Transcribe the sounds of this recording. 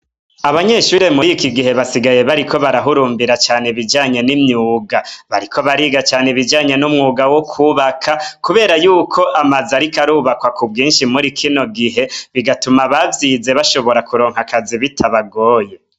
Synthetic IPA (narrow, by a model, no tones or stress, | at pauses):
aβaɲe̞ʃuːɾe̞mujikiɡiɦe̞βasiɡaje̞βaɾikʰo̞βaɾaɦuɾuːmbiɾat͡ʃaːneβid͡ʒaːɲe̞nimɲuːɡaβaɾikʰo̞βaɾiɡat͡ʃaːneβid͡ʒaːɲe̞numŋuːɡawokʰuːβakʰakuβe̞ːɾajuːkʰo̞ʔamazaɾikaɾuːβakwakub̚ɡiːnʃimuɾikʰino̞ɡiɦe̞βiɡatumaβavjiːze̞βaʃo̞βo̞ɾakuɾo̞ːŋɦakaziβitʰaβaɡo̞ːje̞